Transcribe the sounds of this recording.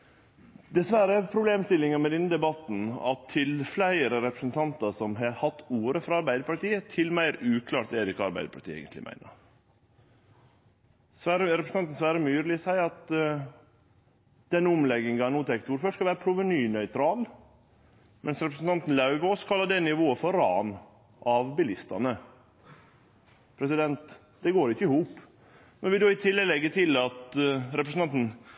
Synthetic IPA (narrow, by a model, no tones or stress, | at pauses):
d̪ɛsʋæɾəpʰɾʊbleːmst̪ɪlːɪŋɑmɛd̪ɪn̩d̪ɛbɑt̪n̩ɑ̰t̪ʰːɪlflæɪəɾəɾɛpɾəsnt̪ʰɑnt̪ɑsɔmɦɑɾhɑt̪ːuːɾəfɾɑɑɾbæɪd̪əɾpɑʈiːət̪ʰɪlmæɪɾʉːkʰlɑːʈ̚d̪ɛɛd̪ɪkɑɑɾbæ̰ɪd̪əpʰɑʈ̪ʰiːḛɡə̰nt̪lɪ̰mʔæ̰ɪnə̰ɾ | sʋæɾəɾɛpɾsn̩ʰɑnt̪n̩sʋæːɾəmyːɾlɪsæɪɑt̪ | d̪̥ɛnːʊmlɛɡɪŋɡɑnuːt̪ʰɛkt̪uːɾfœʈskɑʋæːɾəpʰɾʊʋənyːnœʏt̪ʰɾɑːl | mʔɛnsɾɛpɾəsn̩t̪ɑnt̪n̩lɑʉʋəɔskʰɑlːəd̪ɛnɪʋoːəfɔɾɑ̰ːn | ʔɑʋbɪlɪst̪ɑ̰nə | pʰɾɛsɪd̪ɛnt̪ | d̪ɛɡoːɾɪçəɪhuːp | mɛnʋɪd̪oːɪt̪ʰɪlːlɛɡːət̪ʰɪlɑt̪ɾɛpɾəsn̩t̪ɑnt̪n̩